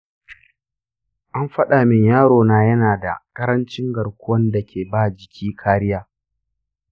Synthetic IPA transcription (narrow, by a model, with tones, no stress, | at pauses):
ʔa˦mɸɐ˦ɗa˨mɪ˨ɲjaː˦ɽoː˨naː˦jɐ˦naː˨da̰˨kʼɐ˦ɾɐ˦nt͡ʃɪ˦ŋɡɐ˨ɽkʷʊ˦wɐ˦nda˨kʲeː˨baː˦d͡ʒɪ˨kʲʰiː˦kʰaː˦ɾɪ˦jaː˦